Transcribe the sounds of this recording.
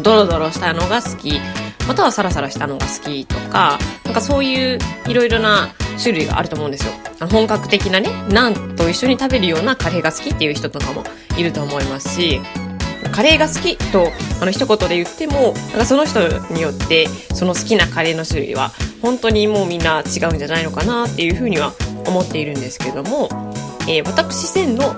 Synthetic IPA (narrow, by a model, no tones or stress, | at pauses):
d̪o̞ɾo̞d̪o̞ɾo̞ɕi̥t̪ano̞ɡasɨ̥kʲimat̪aβ̞asaɾasaɾaɕi̥t̪ano̞ɡa̰sɨ̥kʲit̪o̞kanãŋkaso̞ːjɯ̟ːiɾo̞iɾo̞naɕɨɾɯ̟iɡa̰ʔa̰ɾɯ̟t̪omo̞ɯ̃nd̪esɨjo̞̰ano̞ɦõ̞ŋkakɯ̟̥t̪e̞kʲinane̞nãnt̪o̞iɕːo̞ɲ̟it̪abe̞ɾɯ̟jo̞ːnakaɾe̞ːɡasɨ̥kʲit̪ːe̞jɯ̟çi̥t̪o̞t̪o̞kamo̞̰ | iɾɯ̟t̪o̞ːmo̞imasɨ̥ɕi | mkaɾe̞ːɡasɨ̥kʲit̪o̞ano̞çi̥t̪o̞ko̞t̪o̞d̪e̞jɯ̟t̪ːe̞mo̞nã̰ŋkaso̞no̞çʲi̥t̪o̞ɲ̟ijo̞t̪ːe̞so̞no̞sɨ̥kʲinakaɾe̞ːno̞ɕɨɾɯ̟̰ḭβa̰hõ̞nt̪o̞ɲ̟imo̞ːmʲĩnːat͡ɕiɡaɯ̟̃ɲ̟d͡ʑanaino̞kanat̪ːe̞jɯ̟ɸɯ̟ːɲ̟iβao̞mo̞t̪ːe̞iɾɯ̟̃nd̪e̞sɨ̥keed̪o̞mo̞e̞ːβat̪akɯ̟̥ɕisẽ̞nːo̞